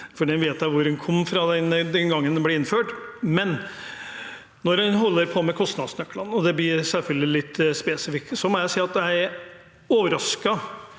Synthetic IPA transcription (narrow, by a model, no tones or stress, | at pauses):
fɔɖiːɛnʋeːt̪jæɪʋʊɾɛnkʰɔmːfɾɑd̪ɛnd̪ɛnɡɑŋːənd̪ɛnbleːɪnːføːʈmɛn | nɔɾɛnɦɔlːəɾpʰɔmɛkʰɔst̪nɑd̪snœkːlɑnɔd̪ɛbliːsɛlfœld̪ɪlɪt̪ːspɛsɪfɪk̚t̪sɔmɔjæɪsiːɑt̪jæɪ | oːʋəɾɑskɑ